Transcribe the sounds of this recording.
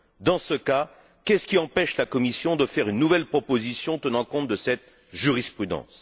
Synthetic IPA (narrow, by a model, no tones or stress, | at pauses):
d̪ɑ̃səka | kʲɛskʲiɑ̃pɛʃlakɔmisjɔ̃d̪əfɛʁynːuvɛlpχɔpozisjɔ̃t̪ənɑ̃kɔ̃t̪̚d̪əsɛt̪ | ʒyʁispχyd̪ɑ̰̃s